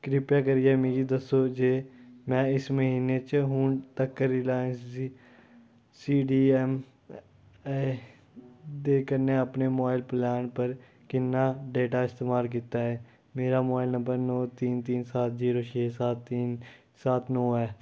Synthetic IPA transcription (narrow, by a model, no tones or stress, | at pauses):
kɾɪpjakəɾiɛːmĩːɡid̪əsːoːd͡ʒeːmɛ̃ːɪsməɦiːneːt͡ʃɦʊ̃ːnt̪əkːəɾiːlaːjənsiː | siːɖiːɛm | d̪eːkəɾneːəpneːmoɪlplɛːnpəɾ | kɪnːaːɖeːʈaːɪst̪eːmaːlk̬it̪aːɦɛː | meːɾaːmaːɪlnə̃mbəɾnɔːt̪iːnt̪iːnsaːt̪ʰziːɾoːt͡ʃʰeːsaːt̪ːiːn | saːt̪ʰnɔːɛː